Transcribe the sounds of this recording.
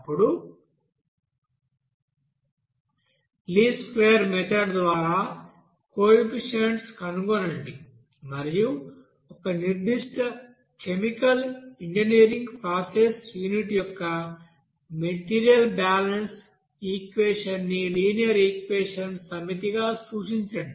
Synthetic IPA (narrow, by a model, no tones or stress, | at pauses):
ɐpːuɽu | liːskʋeːɐɾmɛt̪ʰɐɖd̪ʋaːɾaː | koːpiʂeɳʈskɐnuɡonɐɳɖi | mɐɾiju | ɔkɐniɾd̪iʂʈɐ | kemikɐliɲd͡ʒiniːɾiŋɡpɾaːsesjuːniʈijɔkːɐ | meʈiːɾijɐlbaːlɐns | iːkʋeːʂɐnːiliːnijɐɾiːkʋeːʂɐnsɐmit̪iɡaːsuːʂiɲt͡ʃɐɳɖi